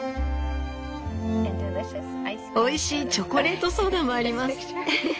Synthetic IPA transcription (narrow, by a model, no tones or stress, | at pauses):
o̞iɕiːt͡ɕo̞koɾe̞ːt̪o̞so̞ːd̪ãmːo̞aɾʲimassɨ